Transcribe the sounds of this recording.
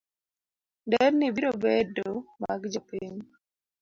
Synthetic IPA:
ndɛɾnibiɾobedomaɡd͡ʒopiɲ

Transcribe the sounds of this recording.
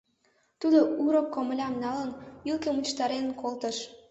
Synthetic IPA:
t̪ud̪ouɾokːoməlʲɑmnɑlənylkemut͡ɕt̪ɑɾenənkolt̪əʃ

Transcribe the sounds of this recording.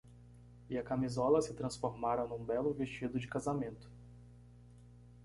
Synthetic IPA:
ɪɐkamizɔlɐsɪt̪ɾɐ̃sfoɾmaɾɐnũbɛlʊvest͡ʃid̪ʊd͡ʒɪkazamẽnt̪ʊ̥

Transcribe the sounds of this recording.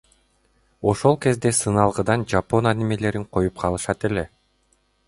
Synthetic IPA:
o̞ʃo̞lˠke̞zd̪e̞sɯnɑlˠʁɯd̪ɑnd͡ʒapo̞nad̪imele̞ɾiŋqʰo̞jup̚qʰɑlˠɯʃɑt̪e̞le̞

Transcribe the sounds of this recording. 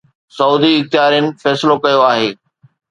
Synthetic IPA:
sɐuːd̪iɪxt̪ɪjɦaːɾjənɪ̆fɛːsɪlokɐjoaːɦeː

